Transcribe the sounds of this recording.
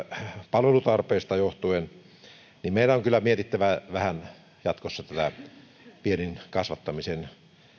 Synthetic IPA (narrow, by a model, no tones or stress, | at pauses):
pɑlʋelut̪ɑrpeːst̪ɑjoht̪uen | nimmeˑilæoŋkylːˑæmiet̪it̪ːæʋæʋæhæn | jɑt̪kosːɑt̪æt̪æ̰ | pieninkɑsʋɑt̪ːɑmisen